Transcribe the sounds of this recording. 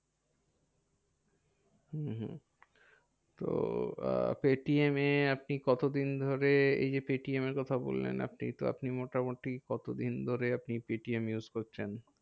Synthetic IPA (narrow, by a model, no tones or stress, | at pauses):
hɦ | t̪o̰ | peʈiemeap̚nikɔt̪od̪ind̪ʱoɾeḛjd͡ʑepeʈiemeɾkɔt̪ʰabo̰lːḛna̰pnḭt̪o̰a̰pnimoʈamoʈikɔt̪od̪ind̪ʱoɾeapnipeʈiemjuzkoɾt͡ɕʰen